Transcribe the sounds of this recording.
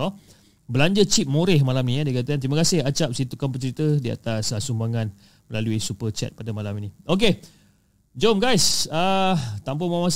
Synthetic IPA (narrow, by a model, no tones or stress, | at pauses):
ɔ | bəlaɲd͡ʒət͡ʃip̪̚moɾɪhmalamnĩadiakat̪̬akant̪ɾimakasɪhat͡ʃap̚sit̪ukampət͡ʃəɾit̪ədia̰t̪asəsumbaŋan | məlaluisupət͡ʃɛ̰t̪̚padamalaminĩʔok̬e | d͡ʒomɡajsət̪amp̬omamas